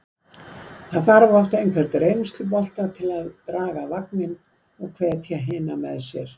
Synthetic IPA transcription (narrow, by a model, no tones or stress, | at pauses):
θaðθaɾvaɾɔft̪aejnkʰvɛrt̪ɾeːjnʏst̪lɪp̬ɔl̥t̪at̪ʰɪlaðt̪ɾaːɣavak̚nɪn | ɔɣkʰvɛːðt̪ʰjaɦɪːnamɛðsjɛɾ̥